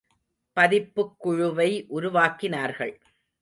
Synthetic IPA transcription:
pɐðɪpːɯkːʊɻʊʋɐɪʔʊɾʊʋaːkɪnaːɾɣɐɭ

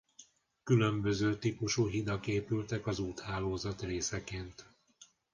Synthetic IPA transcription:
kylømbø̞zøːt̪ipuʃuːɦid̪ɒkeːpylt̪ɛkɒzuːt̪haːloːzɒt̪reːsɛkeːnt̪

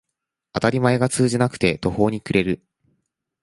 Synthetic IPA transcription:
at̪aɾʲimae̞ɡat͡sɨːʑinakɯ̥t̪e̞t̪o̞ho̞ːɲ̟ikɯ̟ɾe̞ɾɯ̟

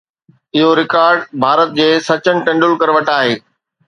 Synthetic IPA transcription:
ɪɦoɾɪkaːɾɖbʱaːɾət̪̚d͡ʑeːsɐt͡ɕəñɪ̆ʈɐ̃ɳɖʊlkɐɾʋɐʈaːɦeː

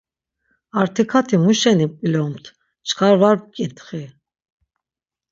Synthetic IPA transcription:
aɾt̪ʰikʰat̪ʰimuʃɛnipʼilɔmt̪ʰ | t͡ʃʰkʰaɾvaɾp̚kʼit̪ʰʼχi

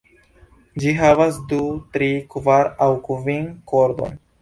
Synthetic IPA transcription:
d͡ʒiɦavasd̪ut̪ɾikvaɾawkvinkoɾd̪o̰n

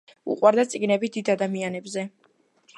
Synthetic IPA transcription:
ṵqʼwaɾd̪at̪sʼiɡnɛbid̪id̪ad̪amianɛbzɛ

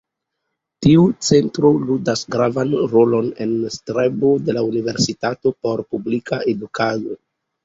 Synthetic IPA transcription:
tiut͡se̞ntɾo̞ludasɡɾavanɾo̞lo̞ne̞nstɾebode̞launive̞ɾsitato̞po̞ɾpublikʰaʔe̞dukado

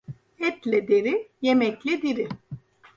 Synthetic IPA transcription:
ɛt̪lʲɛd̪eɾijemɛclʲɛd̪iɾɪ

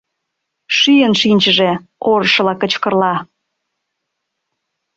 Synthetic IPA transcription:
ʃyjənʃinʲt͡ɕəʒeoɾəʃəlɑkə̆t͡ɕkərlɑ

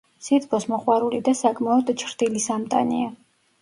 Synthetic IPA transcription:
sit̪kʼɔsmɔχʼwaɾulid̪asakʼmaɔd̪t͡ʃʰɾd̪ilisamt̪ʼa̰nḭa

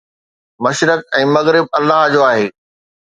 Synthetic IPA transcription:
mɐʃɾək̚ɛ̃ːmɐɣɾɪb̚ɐlːaɦd͡ʑoːaːɦeː

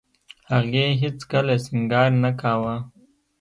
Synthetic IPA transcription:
haɣeɦɪt͡skalasɪŋɡɑːɾnakawa

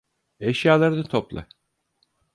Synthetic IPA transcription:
ɛʃjaːlˠaɾɯnat̪ʰoplˠa̰

